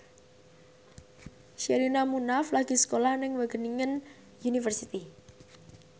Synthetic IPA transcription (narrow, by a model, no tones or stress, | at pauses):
ʃeɾinamunaflaɡ̥i̤sə̥kolahnɪŋwəɡ̥əniŋən | junifərsit̪i